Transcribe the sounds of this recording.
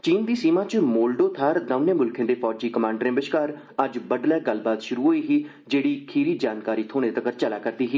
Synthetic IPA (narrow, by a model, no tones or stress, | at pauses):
t͡ʃiːnd̪iːsiːmãːt͡ʃmoːlɖoːt̪ʰaːɾd̪aʊneːmʊlkʰɪ̃d̪eːpɔːd͡ʒiːkəmãːɳɖɾẽːbɪʃkaːɾ | əd͡ʒbəɖlɛːɡəlbaːt̪ʃʊɾuːɦoːiːɦiː | d͡ʒeːɽiːkʰiːɾiːd͡ʒaːnkaːɾiːt̪ʰoːneːt̪əkəɾt͡ʃəlaːkəɾd̪iːɦiː